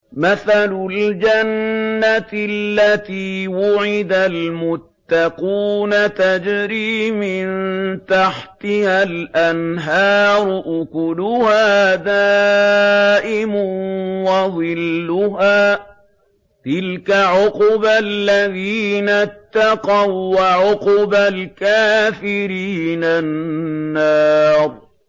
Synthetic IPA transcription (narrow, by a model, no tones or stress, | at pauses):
maθalʊld͡ʒanːat̪ɪllːat̪iːwʊʕɪd̪almʊt̪ːɑquːnat̪ad͡ʒɾiːmɪnt̪aħt̪ɪhalʔanɦɑːɾˤʊʔʊkʊlʊhaːd̪aː | ʔɪmʊnwɑðˤɨlːʊɦaː | t̪ɪlkaʕʊqbalːaðiːnat̪ːɑqɑwːaʕʊqbalkaːfɪɾiːnanːɑːɾˤ